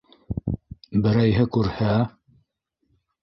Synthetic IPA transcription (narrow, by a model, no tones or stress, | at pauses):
bɘ̆ɾæjɦɘkʉɾhæ